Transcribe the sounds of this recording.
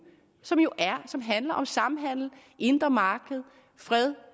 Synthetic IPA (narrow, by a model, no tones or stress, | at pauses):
sɒ̽mjo̝ʔæɐsɒ̽mɦænlɐʔɒ̽msɑ̈m̩ɦæn̰l̩ | ʔe̝nd̥ʁɐmɑ̈ːɡ̥əð̩ˠ | fʁɛðˠ